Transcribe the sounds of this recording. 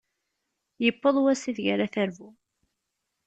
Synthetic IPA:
jəpːəðˤwæsiðʝaɾaθæɾvu

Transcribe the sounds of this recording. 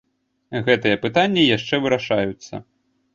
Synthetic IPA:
ɣɛt̪ɨjɛpɨt̪anʲːijaʂt͡ʂɛvɨɾaʂajut̪sːɐ̰

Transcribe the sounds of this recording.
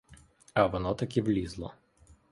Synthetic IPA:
ɐʋɔnɔt̪ɐkʲiʋlʲizlˠɔ

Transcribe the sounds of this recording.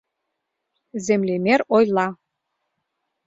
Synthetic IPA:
zemlemeɾojlˠɑ

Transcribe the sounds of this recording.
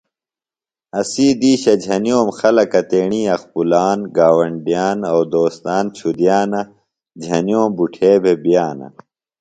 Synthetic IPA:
ɐsiːd̪iːɕɐd͡ʑʱɐnijoːmxɐlɐkɐt̪eːɳiːɐxpulaːnɡaːwɐɳɖijaːnɐwd̪oːst̪aːnt͡ɕʰud̪ijaːnɐ | d͡ʑʱɐnijoːmbuʈʰeːbʱebijaːnɐ̰

